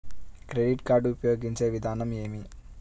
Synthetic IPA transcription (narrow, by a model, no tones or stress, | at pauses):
kɾe̞ɖiʈkaːɾɖuupɐjo̞ːɡiɲt͡ʃe̞ːʋid̪ʱaːnɐme̞ːmi